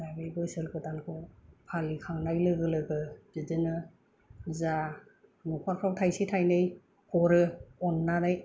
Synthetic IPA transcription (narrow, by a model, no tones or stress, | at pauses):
abibɯsɯɾkɯtankʰɯpʰalikʰaŋnajlɯɡɯlɯɡɯdidɯnɯ | za | nupʰaɾkʰɾawtʰajsitʰajnɯj | kʰɔɾɯɔnːaɾɯj